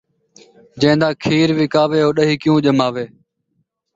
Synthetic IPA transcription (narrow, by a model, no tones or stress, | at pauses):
d͡ʒɛ̃ːnd̪aːkʰiːɾʋɪkaːʋeːɦoːɗəɦiːkɪjũːʄəmaːʋeː